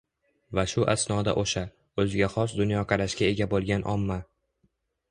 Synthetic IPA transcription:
vaʃʊʔasnɒd̪a̰ʔoʃa | ɵzɪɡʲaχɒs̬d̪ʊnjɒqʰɑɾaʃkʲae̞ɡʲabolˠɡʲanʔɒ̰mːa

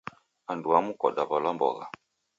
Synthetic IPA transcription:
anduamukɔɗaβalambɔ̰ɣa̰

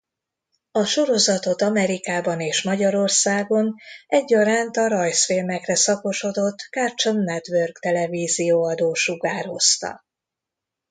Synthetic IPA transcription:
ɒʃo̞ɾo̞zɒt̪o̞t̪ɒmɛɾikaːbɒneːʃmɒɟɒɾo̞rsaːɡo̞nɛɟːɒɾaːnt̪ɒɾɒjsfeːlmɛkrɛsɒko̞ʃo̞d̪o̞t̪ːkaːrt͡ʃonːɛt̪ʋørɡt̪ɛlɛviːzijoːɒd̪oːʃuɡaːɾo̞st̪ɒ̰

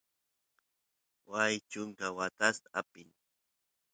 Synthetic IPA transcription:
wajt͡ʃʊŋkawat̪ast̪aapɪŋ

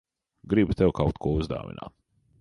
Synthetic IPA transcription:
ɡɾibut̪ɛwkʰawt̪kuɔuzd̪a̰ːʋḭna̰ː

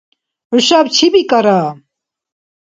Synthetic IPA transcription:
uʃabt͡ʃʰibikʼaɾa

